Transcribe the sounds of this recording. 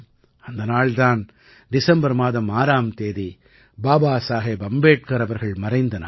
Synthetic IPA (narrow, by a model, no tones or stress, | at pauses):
ɐnd̪ɐnaːɭd̪aːn | d̪ɪsɐmbɐɾmaːðɐmaːɾaːmt̪eːði | baːbaːsaːɦebɐmbeːʈ̚kɐɾɐʋɐɾɣɐɭmɐɾɐɪnd̪ɐna̰ː